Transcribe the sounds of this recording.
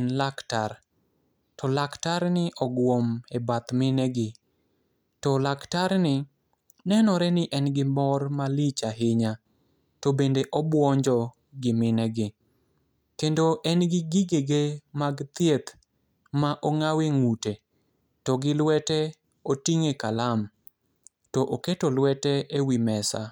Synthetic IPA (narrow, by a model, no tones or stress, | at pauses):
nlaktar | tɔlaktaɾnɪʔɔɡwomebat̪mɪnɛɡɪ | tɔlaktaɾnɪ | nɛnɔɾɛnɪʔɛnɡɪmɔrmalit͡ʃaɦɪɲa | tobendeʔɔbwɔɲd͡ʒɔ | ɡɪmɪnɛɡɪ | kendoʔɛnɡɪɡiɡeɡemaɡt̪jet̪ | maʔoŋaweŋute | tɔɡɪlwɛtɛ | otiŋekalam | tɔʔoketolwɛtɛewimɛsa̰